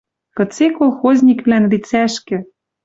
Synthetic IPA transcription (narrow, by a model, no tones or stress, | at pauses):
kɤ̆t͡sekolˠxozʲnʲikβlænlit͡sæʃkɘ̆